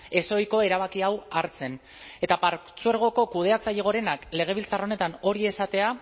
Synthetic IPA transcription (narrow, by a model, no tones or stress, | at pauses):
e̞so̞jko̞e̞ɾaβ̞akiawaɾt͡se̞n | e̞t̪apaɾt͡sueɾɣ̞o̞ko̞kuð̞e̞at͡saʎeɣ̞o̞ɾe̞nakle̞ɣ̞e̞β̞ilt͡saro̞ne̞t̪ano̞ɾie̞sat̪e̞a